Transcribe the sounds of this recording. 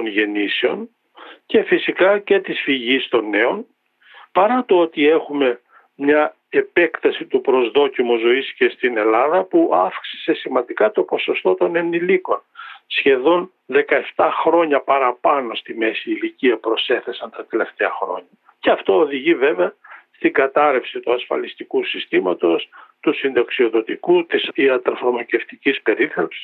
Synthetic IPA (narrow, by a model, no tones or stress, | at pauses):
t̪o̞nʝe̞niseo̞n | ce̞fisikɐce̞t̪isfiʝist̪o̞nːe̞o̞n | pɐɾɐt̪oot̪ie̞xume̞ | mɲɐ | e̞pe̞kt̪ɐsit̪upɾo̞zðo̞cimuzo̞isce̞st̪ine̞lɐðɐpuʔɐfksi̥se̞simɐnd̪ikɐt̪o̞po̞so̞st̪o̞t̪o̞ne̞niliko̞nsçe̞ðo̞n | ðe̞kɐe̞ft̪ɐxɾo̞ɲɐpɐɾɐpɐno̞st̪ime̞siːliciɐpɾo̞se̞θe̞sɐnt̪ɐt̪e̞le̞ft̪eɐxɾo̞̰ɲɐ | ce̞ɐft̪o̞ːðiʝive̞veɐst̪iŋɡɐt̪ɐɾe̞fsit̪uɐsfɐ̰list̪ikusist̪imɐt̪o̞st̪usind̪ɐksio̞ðo̞t̪ikut̪isiɐt̪ɾofɾomoce̞ft̪icispe̞ɾiθɐpsi̥s